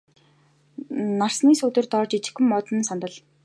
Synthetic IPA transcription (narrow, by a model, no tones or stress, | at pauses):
narsniːsut̪ɘ̆rt̪ɔːt͡ɕit͡ɕɪ̥̆xɵ̆mːɔt̪ɞ̆nsant̪ə̆ɮ